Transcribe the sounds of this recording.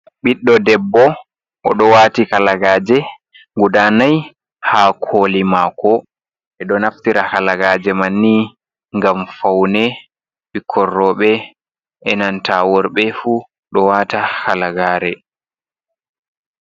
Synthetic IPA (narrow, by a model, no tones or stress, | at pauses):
ɓiɗːɔdɛbːɔ | ʔɔɗɔwaːtikalaɡaːd͡ʒɛ | ŋɡudanaj | hakʰoːlimakʰɔ | ɛɗɔnaftiɾahalaɡaːd͡ʒɛmanːi | ŋɡamfawnɛ | ɓikʰːɔrːɔɓɛ | ʔɛnantʰawɔɾɓɛfu | ɗɔwaːtahalaɡaːɾɛ